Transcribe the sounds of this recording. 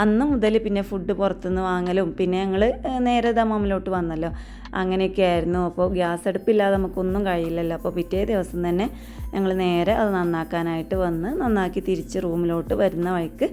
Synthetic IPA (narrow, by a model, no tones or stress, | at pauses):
ɐnːɨmuðɐlpinːe̞fuɖːɨpurɐt̪ːunːɨʋaːŋːɐlumpinːe̞ɲɐŋːɐɭɨne̞ːɾɐd̪ɐmɐmːilo̞ːʈːɨʋɐnːɐlːo̞ː | ɐ̰ŋːɐnejokʲːɨjaːjiɾunːuɐpːo̞ːɡjaːseɽupːilːaːɐnɐmukːo̞nːumkɐɻijilːɐlːoɐpːo̞ːpitːeːd̪iʋɐsɐmt̪ɐnːe̞ | ɲɐŋːɐɭne̞ːɾeʔɐðɨnɐnːaːkːaːnaːjiʈːɨʋɐnːɨnɐnːaːkːit̪iɾit͡ɕːɨruːmilo̞ːʈːɨʋɐɾunːɐʋɐɻkːɨ